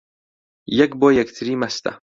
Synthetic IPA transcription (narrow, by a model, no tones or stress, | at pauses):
jɐkbojakt̪ʰɾimast̪a̰